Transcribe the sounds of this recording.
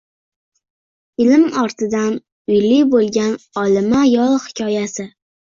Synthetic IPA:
ɪlɪmɒɾt̪ʰɪd̪an | ʊjlibolˠɡʲanɒlˠɪmajɒlˠhɪ̥kʲʰɒjasɪ

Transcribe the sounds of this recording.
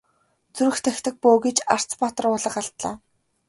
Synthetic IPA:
t͡suɾɘ̆xt̪ʰæxʲt̪ɘ̆k̚poːɡet͡ɕar̥t͡spat̪ə̆rʊɮə̆χaɬt̪ɮa̰ː

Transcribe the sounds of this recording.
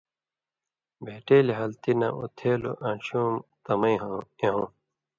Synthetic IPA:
bʱeːʈeːliɦɐlt̪inɐ̰̃ṵt̪ʰeːlṵʔãːɕuːmt̪ɐmɐĩɦõeɦõː

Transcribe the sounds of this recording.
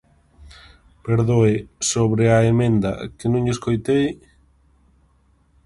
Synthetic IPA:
peɾðoesoβɾeaemẽnd̪ɐ̰kɪnõŋeskojt̪ej

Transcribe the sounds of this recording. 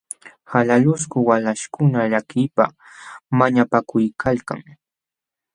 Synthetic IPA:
halalʊskʊwalaʃkʊnaʎakɪjpa̰ | maɲapakʊjkʰalka̰ŋ

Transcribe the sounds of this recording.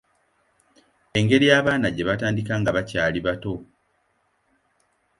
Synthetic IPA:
e̞ŋɡe̞ɾijaːβaːnaɟe̞βataːndikaːŋɡaβacaːliβato̞

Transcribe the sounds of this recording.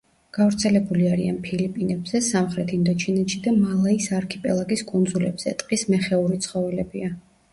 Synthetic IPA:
ɡ̥avɾt̪sʰɛlɛbuliaɾia̰npʰilipʼinɛbz̥ɛsamχɾɛt̪ʰind̪ɔt͡ʃʰinɛt̪ʃid̪amalˠaisaɾkʰipʼɛ̰lˠaɡiskʼund̪zulɛbz̥ɛ̰t̪ʼqʼismɛχɛuɾit̪sʰχɔvɛlɛbia

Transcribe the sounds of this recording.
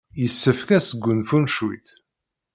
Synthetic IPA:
jəsːəfkæsəɡʷːʊnfunʃwḭθ

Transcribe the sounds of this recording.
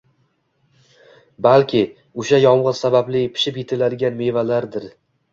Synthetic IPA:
balkʲʰɪ | ʊʃajɒmʁɨz̥sabablɪpʰɪ̥ʃɪpjet̪ʰɪlad̪ɪɡʲanme̞valaɾd̪ɪɾ

